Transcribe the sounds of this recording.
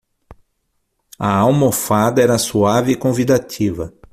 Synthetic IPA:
ɐawmofad̪ɐɛɾɐsuavɪkõvid̪at̪ʰivɐ

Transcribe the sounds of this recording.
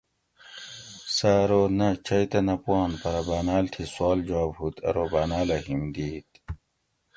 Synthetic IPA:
saːɾoːnɐt͡ɕʰɐjt̪ɐnɐpuɑːnpɐɾɐbaːnaːlt̪ʰiswaːld͡ʑaːbut̪ʰɐ̰ɾoːbaːnaːlɐɦimd̪iːt̪

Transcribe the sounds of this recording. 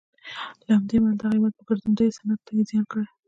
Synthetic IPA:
lahamd̪emanad̪aɣimat̪̚pəɡaɾt̪und̪ajsanat̪ːaezjɑnkəɽe

